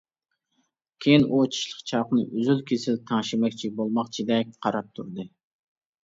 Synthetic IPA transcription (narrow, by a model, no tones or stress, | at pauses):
kʲʰejinʔut͡ʃʰi̥ʃlˠəqt͡ʃʰɑqnɨ̰ʔyzylkʲʰesɪlt̪ʰɑŋʃimɛkʲt͡ʃʰibolˠmɑqt͡ʃʰid̪ɛk̚ʲqʰɑɾɑp̚t̪ʰuɾd̪ɨ